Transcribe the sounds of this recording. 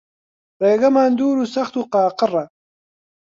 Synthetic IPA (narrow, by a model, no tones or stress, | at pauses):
ɾeːɡɐmaːnd̪uːɾusɐxt̪uqɑːqɨra